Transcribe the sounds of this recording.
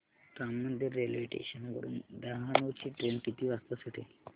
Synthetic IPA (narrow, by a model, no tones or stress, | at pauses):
t̪amːəd̪ʱjəɾielʋiʈḛɕənkə̰ɾṵːnd̪əɦanut͡ɕiːʈɾenkit̪iːʋast̪əsəʈʰe